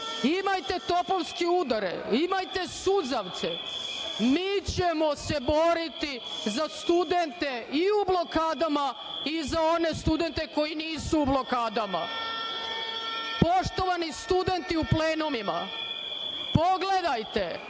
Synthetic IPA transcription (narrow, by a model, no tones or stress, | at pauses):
imajt̪e̞t̪o̞pomskiud̪aɾḛimajt̪e̞sud̪zaʋt̪se | miːt͡ɕemo̞se̞bo̞ɾit̪izast̪ud̪e̞nt̪e̞iublo̞kaːd̪ama | izao̞ne̞st̪ud̪e̞nt̪e̞ko̞jiniːsuːblo̞kaːd̪ama̰ | po̞ʃt̪o̞ʋanist̪ud̪e̞nt̪iupleːnomima̰ | po̞ɡle̞d̪ajt̪e